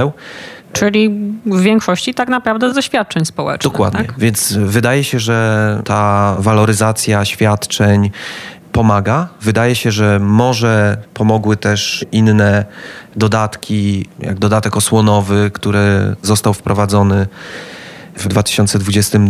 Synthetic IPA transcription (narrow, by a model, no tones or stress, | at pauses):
w | t͡ʂɘlʲivvʲjɛŋkʂɔɕt͡ɕit̪aknapɾavd̪ɛzd̪ɔɕfʲjat̪̚t͡ʂɛɲspɔwɛ̰t͡ʂdd̪ɔkwa̰d̪ɲɛvʲjɛnsvɘd̪ajɛɕɛʐɛt̪avalɔɾɘzat̪sʲjaɕfʲjat̪t͡ʂɛɲ | pɔmaɡavɘd̪ajɛɕɛʐɛmɔʐɛpɔmɔɡwɘt̪ɛʂinːɛd̪ɔd̪at̪kʲʰija̰ɡd̪ɔd̪at̪ɛkɔswɔnɔvɘkt̪uɾɛzɔst̪awfpɾʔɔvad̪zɔnɘ | vd̪vat̪ɘ̥ɕɔnt̪sɛd̪vud͡ʑɛst̪ɘm